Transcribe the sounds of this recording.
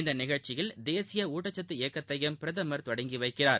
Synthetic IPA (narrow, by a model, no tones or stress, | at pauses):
ɪnd̪ɐnɪɣɐɭt͡ʃɪjɪld̪eːsɪjɐuːʈːɐt͡ʃːɐt̪ːɯeːkːɐt̪ːɐjɐmpɪɾɐðɐmɐɾt̪ʋɐɽɐŋɡɪʋɐɪkːɪraːɾ